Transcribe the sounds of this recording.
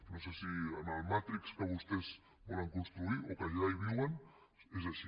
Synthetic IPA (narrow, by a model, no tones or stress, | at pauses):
nõsesianalmat̪ɾikskəβust̪ez | bɔlɐŋkunst̪ɾuiʔokaʒaiβ̞iwɐn | ezaʃi